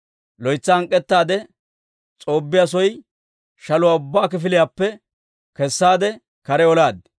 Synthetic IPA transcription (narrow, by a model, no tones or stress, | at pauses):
lɔjt͡sːɐɐŋkʼːɛt̪ːaːd̪ɛ | t͡sʼo̞ːbːɪjas̬ɔj | ʃɐlʊwaːʊbːaːkɪfɪlɪjapːɛ | kɛsːaːd̪ɛ | kɐɾɛɔlaːd̪